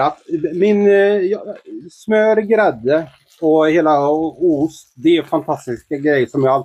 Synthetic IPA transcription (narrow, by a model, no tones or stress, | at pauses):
atmɪnjssmøːɾɡɾɛd̪ːə | ɔheːlaʊst̪d̪ɛæɾfant̪ʰast̪ɪskaɡɾɛjːəʂɔmjɑːɡal